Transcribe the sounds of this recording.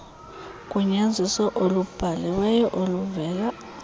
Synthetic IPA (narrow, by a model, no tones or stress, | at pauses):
k̬ʼuɲand͡zʱisɔʔolub̥ʱalɛwɛjɛʔoluvɛːl̬a